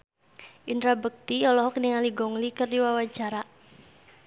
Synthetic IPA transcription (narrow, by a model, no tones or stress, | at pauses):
ʔind̪ɾabək̚t̪ijɔlɔɦɔkniŋaliɡɔŋlikɨrdiwawat͡ʃaɾa